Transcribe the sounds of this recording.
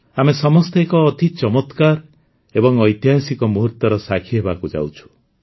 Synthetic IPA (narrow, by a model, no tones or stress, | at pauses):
amesɔmɔst̪ʰeekɔːt̪it͡ʃɔmɔt̪kaɾ | ebɔŋɔjt̪jɦasikɔmuɦuɾt̪ɔɾɔsakʰiɦebakud͡ʒa̰wt͡ʃʰu̥